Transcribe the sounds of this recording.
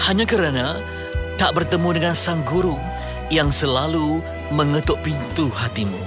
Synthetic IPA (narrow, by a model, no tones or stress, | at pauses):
haɲãkəɾana | t̪aʔbərt̪əmudəŋãnsaŋɡuɾu | jaŋsəlalu | məŋət̪ʊʔ̚pint̪uhat̪imu